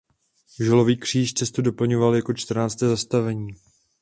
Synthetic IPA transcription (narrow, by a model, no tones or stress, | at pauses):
ʒɛlo̞viːkr̝̥iːʃt͡sɛst̪udo̞pl̩ɲovaljako̞t͡ʃt̪r̩naːt͡st̪ɛːzast̪avɛɲiː